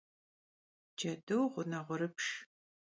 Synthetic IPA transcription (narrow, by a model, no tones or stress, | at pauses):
d͡ʒɐdɨwʁʷʊnɐʁʷʊɾɨpʂ